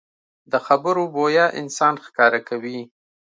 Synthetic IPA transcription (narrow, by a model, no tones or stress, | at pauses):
d̪əxabəɾobojɑʔɪ̰nsɑnxkɑɾakawi